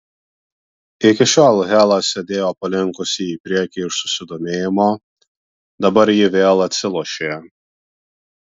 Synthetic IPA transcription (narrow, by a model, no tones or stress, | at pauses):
ɪkʲɪʃʲɑːlˠɣʲæːlˠɐsʲɛd̪ʲeːjoːpɐlʲɪŋkʊsʲɪiːpʲɾʲiɛkʲiːɪʃsʊ̥sʲɪd̪oːmʲeːjɪmoː | d̪ɐbɐɾjɪʋʲeːlˠɐt̪ʲsʲɪlˠɔʃʲeː